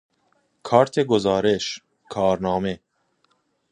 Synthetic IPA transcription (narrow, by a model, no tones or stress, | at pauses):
kʰɑːɾt̪ʰeɡozɑːɾeʃ | kʰɑːɾnɑːme